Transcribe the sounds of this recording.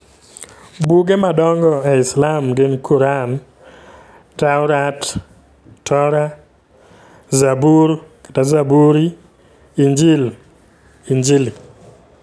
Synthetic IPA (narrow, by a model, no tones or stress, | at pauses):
buɡemadɔŋɡɔɛɪslamɡɪnkʰuɾan | taʊɾat | tɔɾa | zabuɾkḁtazabuɾi | iɲd͡ʒil | iɲd͡ʒili